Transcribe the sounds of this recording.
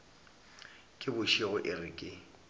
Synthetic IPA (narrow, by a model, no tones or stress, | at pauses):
kʼɪbʊʃɪɣʊʔɪrɪkʼɪ